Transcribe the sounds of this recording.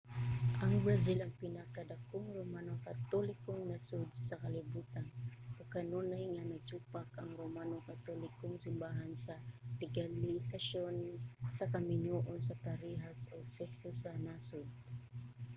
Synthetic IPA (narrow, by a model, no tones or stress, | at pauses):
ʔaŋbɾazilaŋpinakadakʊŋromanokat̪olɪkʊŋnasʊd̪̚sakalɪbut̪anʊkanunajŋanaɡt͡ʃupakaŋɾomanokat̪olɪkʊŋsɪmbaɦansalɪɡalisaʃonsakamɪnoʔonsapaɾiɦasoɡsɛsosanasʊd̪̚